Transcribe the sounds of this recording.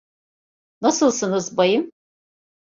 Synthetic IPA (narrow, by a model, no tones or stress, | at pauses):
nɐsɨlˠsɨnɨzbɐjɪm